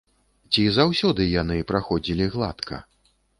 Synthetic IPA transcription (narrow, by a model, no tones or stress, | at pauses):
t͡sʲizawsʲɔd̪ɨjanɨpɾaxɔd͡zʲilʲiɣlˠa̰t̪kʰɐ̰